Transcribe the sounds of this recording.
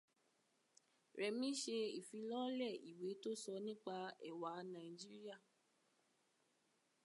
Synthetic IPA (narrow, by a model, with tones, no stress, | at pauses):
ɾɛ˨mĩ˦ʃe˧i˨fi˧lɔ˦lɛ˦˨i˨we˨˦to˦sɔ˧nĩ˦k͡pa˧ɛ̰˨wa˨˦nã˨i˨d͡ʒi˦ɾi˦a˦˨